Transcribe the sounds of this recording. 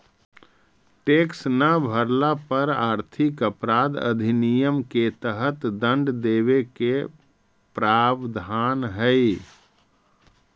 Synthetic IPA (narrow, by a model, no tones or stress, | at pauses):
ʈeːksnəbʱəɾlapəɾaːɾt̪ʰɪkəpɾaːd̪ə̰d̪ʱinijəmket̪əɦət̪d̪ə̃ɳɖd̪eːʋeke | pɾaːbd̪ʱaːnɦəi